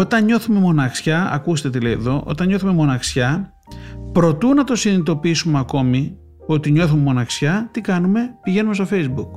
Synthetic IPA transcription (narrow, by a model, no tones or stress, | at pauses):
o̞t̪ɐnɲo̞θume̞mo̞nɐksçɐɐ̰kust̪et̪eleḛðo̞ʔo̞̰t̪ɐnɲo̞θume̞mo̞nɐksçɐ | pɾo̞t̪unɐt̪o̞sinit̪o̞piisumeɐko̞mi | o̞t̪iɲo̞θumemo̞nɐksçɐt̪ikɐnume̞piʝe̞numest̪o̞fe̞jzbuk